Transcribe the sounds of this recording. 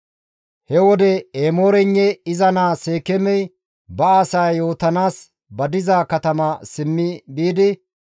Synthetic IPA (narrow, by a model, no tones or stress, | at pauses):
hɛwɔd̪ɛeːmo̞ːɾɛɲːɛɪzɐnaːseːkɛmɛj | bɐaːsajjo̞ːt̪ɐnaːs | bɐd̪ɪzaːkɐt̪ɐmɐsɪmːɪbiːd̪ɪ